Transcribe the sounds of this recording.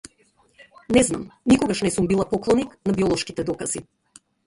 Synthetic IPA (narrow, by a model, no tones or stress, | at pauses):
nɛznamnikɔɡaʃnɛsumbilˠapɔklˠɔniknabiɔlˠɔʃkit̪ɛd̪ɔkaz̥i